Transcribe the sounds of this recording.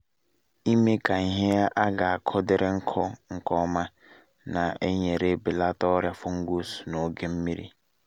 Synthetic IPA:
i˦me˦ka˨ŋ̩˨ɦɪ˦a˦ʔa˦ɡa˨a˨kʰɔ˦dɪ˨ɾʔɪ˦ŋ̩˦kʰɔ˦ŋ̩˨kɔ˦ma˦ | na˨e˦ɲe˨ɾe˦bɪ˨la˦tɔ˦ɾja˦fʊ˦ŋ̩˦ɡʷu˦su̥˨no˨ɡe˦m̩˦mi˦ɾḭ˦

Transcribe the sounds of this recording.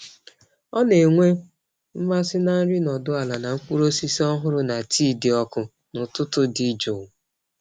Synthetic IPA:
ɔ˦ne˨ŋʷe˦ | m̩˦ma˦sɪ˦na˦n̩˦ɾɪ˦nɔ˨dʊ˦a˨la˨na˨ŋ̩˦k͡pʷu˦ɾo˦si˦si˦ɔ˦ɦʊ˦ɾʊ˦na˨tʰiː˦˨dɪ˨ɔ˦˨kʊ˨ | nʊ˨tʊ˦tʊ˦di˦d͡ʒo˨w

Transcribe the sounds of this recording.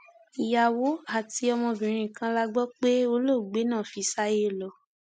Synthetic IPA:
i˨ja˨wo˨˦a˨ti˧˦ɔ˧mɔ̃˧bĩ˨ɾ̃ĩ˧˨kã˧˦la˧ɡ͡bɔ˦k͡pe˦o˧lo˦˨ɡ͡be˨˦nãː˦˨fi˧sa˦je˦˨lɔ˨

